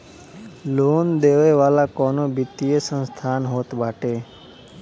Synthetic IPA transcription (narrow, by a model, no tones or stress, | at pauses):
loːnd̪eʋeʋaːlakɔːnobʱit̪ijesə̃nst̪ʰaːnɦoːt̪bʱaʈe